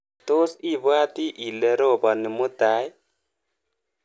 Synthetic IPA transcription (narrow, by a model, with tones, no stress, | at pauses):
t̪o˦si˦˨βwa˦t̪i˦ʔi˨le˨˦ɾo˦˨bɔ˨ni˨mu˦t̪a˨˦j